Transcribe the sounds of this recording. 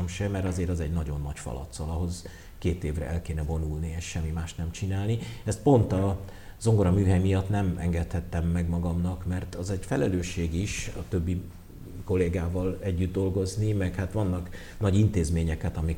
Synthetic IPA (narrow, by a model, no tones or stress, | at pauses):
mʃɛmɛrɾt̪ɒzeːɾɒzɛɟnɒɟo̞nːɒcfɒ̰lɒ̰t̪sɒlɒɦo̞z | keːt̪eːvrɛ̰ʔɛlkeːnɛvo̞nulnieʃʃɛmːimaːʃt̪nɛmt͡ʃinaːlniɛst̪̚po̞nt̪ɒ | zo̞ŋɡo̞ɾɒmyːɦɛjmijɒt̪nɛmɛ̰ŋɡɛt̪hɛt̪ːɛmːɛɡmɒɡɒmnɒkmɛrt̪ɒzɛɟfɛlɛløːʃːeːɡiʃɒt̪ø̞bːi | ko̞leːɡaːvɒlɛɟːyd̪d̪o̞lɡo̞znimɛkhat̪ʋɒnːɒk | nɒɟint̪eːzmeːɲɛkɛt̪ɒmi